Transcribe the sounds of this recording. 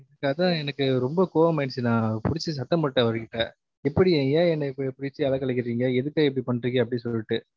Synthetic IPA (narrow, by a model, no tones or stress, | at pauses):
ðɯkːaːt̪ãːɛnɐkːɯɾɔmbɐkoːʋɐmɐɪnsɯnãːpʊɽɪt͡ʃːɯs̬ɐt̪ːɐmɐʈːɐ̃ʋɐɾɯkːɪʈːɐ̰̃ | ɛpːɐɽiẽːɡeːɛnːɐɪpːɐɽipʊɽɪt͡ʃːɯɐlɐkːɐɭɪkːɪɾiːŋɡɐɛðɯkːɐːɛpːɐɽipɐɳːɾɯŋɡeːɐp̬ːɐɽisɔlːɪʈːɯ